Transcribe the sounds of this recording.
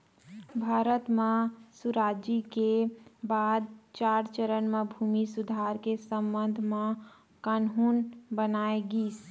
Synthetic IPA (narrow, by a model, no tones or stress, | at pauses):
bʱaɾət̪mesuɾad͡ʒikebad̪̚t͡ʃaɾt͡ʃəɾənmebʱumisud̪ʱaɾkesəmbənd̪ʱme | kanɦunbənaeɡis